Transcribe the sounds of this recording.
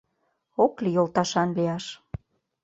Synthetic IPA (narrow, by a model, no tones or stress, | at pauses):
oklijolˠt̪ɑʃɑnliɑʃ